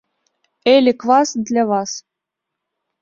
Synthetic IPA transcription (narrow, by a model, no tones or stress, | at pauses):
elʲɘ̆kvɑsd̪lʲæβɑs